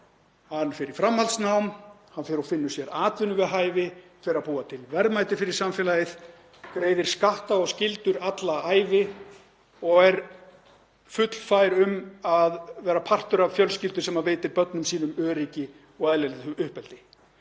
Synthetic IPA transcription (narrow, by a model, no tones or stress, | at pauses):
hanːfɪɾɪ̥fɾamhalt̪snawm | hanfjɛɾɔfɪnːʏsjɛɾaːt̪vʏnːʏvɛðɦaːjvɪfɪɾɪɾaðpuːat̪ʰɪlvɛɾmajt̪ɪfɪɾɪɾ̥samfjɛlajɪð | kɾeːjðɪɾ̥skaht̪aɔɣscɪlt̪ʏɾat̪laaːjvɪ | ɔɣɛɾ | fʏt̪l̥faːjɾʏmaðvɛːɾapʰar̥t̪ʏɾavfjœlscɪlt̪ʏɾ̥sɛmaveːjt̪ɪɾpœt̪nʏmsiːnʏmœːɾiːcɪ | ɔɣaðlɛlʏhpɛlt̪ɪ